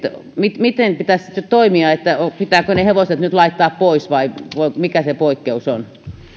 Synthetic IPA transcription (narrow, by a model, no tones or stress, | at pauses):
et̪mit̪mit̪enpit̪æssi̥t̪nyt̪toimiɑet̪ːæopit̪æːkøneheʋoset̪nyt̪lɑit̪ːɑːppoisʋɑiʋoimikæsepoikːeuson